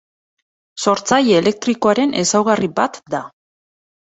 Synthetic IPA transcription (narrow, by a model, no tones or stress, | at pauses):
so̞ɾt͡sajeːle̞k̚t̪ɾiko̞aɾe̞nʔe̞sawɣaribat̪d̪a